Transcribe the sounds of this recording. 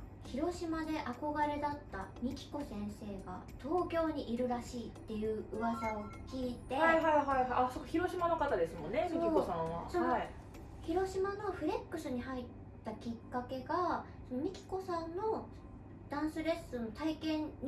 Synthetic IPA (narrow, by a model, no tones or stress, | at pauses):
çiɾo̞ɕimad̪e̞ʔako̞ɡaɾe̞d̪at̪ːamʲikʲi̥ko̞sẽ̞ɰ̃se̞ːɡa̰t̪ʰo̞ːkʲo̞ːɲ̟iʔiɾɯ̟ɾaɕiːt̪ːe̞jɯ̟ːɯ̟βasao̞kʲiːt̪e̞aihaiɦaihaasokaçiɾo̞ɕimanokat̪ad̪e̞sɨmõ̞nːemioiosãβa̰sooi | çiɾo̞ɕimano̞ɸɯ̟ɾe̞kːɯ̟sɨɲ̟iɦait̪ːakʲikːake̞ɡa | so̞nomʲikʲi̥ko̞sãnːo̞ | d̪̥ãɰ̃sɨɾe̞sɨnot̪aikẽ̞ɲ̟ː